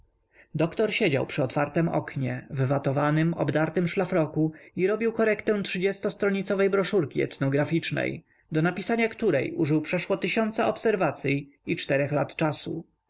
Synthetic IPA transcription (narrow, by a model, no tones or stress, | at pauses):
d̪ɔkt̪ɔɾɕed͡ʑa̰wpʂɘɔt̪faɾt̪ɛmɔ̰kɲɛvvat̪ɔvanɘmɔ̰bd̪aɾt̪ɘmʂlafɾɔkuiɾɔbʲiwkɔɾɛkt̪ɛw̃tʂɘd͡ʑɛst̪ɔst̪ɾɔɲit̪sɔvɛjbɾɔʂuɾkʲiɛ̰t̪nɔɡɾafʲit͡ʂnɛ̰j | d̪ɔnapʲisaɲakt̪uɾɛ̰jṵʐɘwpʂɛʂwɔt̪ɘɕɔnt̪saɔpsɛɾvat̪sʲjiit͡ʂt̪ɛɾɛxlat̪t͡ʂasṵ